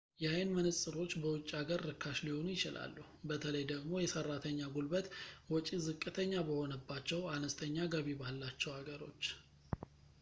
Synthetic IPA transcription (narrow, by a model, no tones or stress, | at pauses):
jajənmənɨsʼɨɾo̞t͡ʃːbəwʊt͡ʃʼːiaɡəɾːɨkʰːaʃliho̞njɪt͡ʃɪlʔa̰lːuhbət̪ʰələjd̪əɡmo̞jɛsərːat̪ʰəɲːaɡulbət̪wɔt͡ʃʼizɨkʼːɨt̪ʰəɲːabəho̞nəbːat͡ʃːɛwanəst̪ʰəɲːaɡəβibalːat͡ʃːɛwhaɡəɾo̞̰t͡ʃː